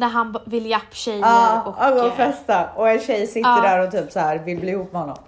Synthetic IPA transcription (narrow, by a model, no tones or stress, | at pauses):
næɾɦanvɪljapːɕɛjɑːɔaɡoːɾfɛst̪aɔɛnɕɛjsɪt̪ːəɖæːɾɔt̪ʰyːpsaæːɾvɪlbliːɪhuːpp̚ːmɛhɔnːɔ̰m